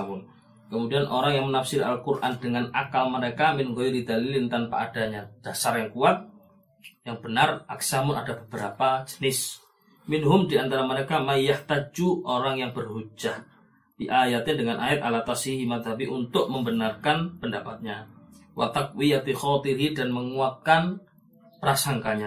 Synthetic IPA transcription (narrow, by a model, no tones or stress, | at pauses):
mʊn | kəmudianʔoɾaŋjaŋmənafsɪɾa̰lkurʔa̰ndəŋanakalməɾekamɪnɡojɾid̪alilɪnt̪anpa̰ʔad̥aɲad̥asarjaŋkuat̪̚ | jaŋb̥ənara̰ksamʊnadabəbəɾapad͡ʒə̥nɪs | mɪnɦʊmdiant̪aɾaməɾekamaijaht̪ad͡ʒuʔoɾaŋjaŋbərhud͡ʒah | b̥iʔajat̪ɪndəŋanʔaɛt̪̚alat̪asiɦimat̪abiʔunt̪ʊk̚məmbənarkanpəndapat̪̚ɲawʔa̰t̪ak̚wijat̪ixɔt̪iɦidanməŋuat̪̚kan | pəɾasaŋkaɲa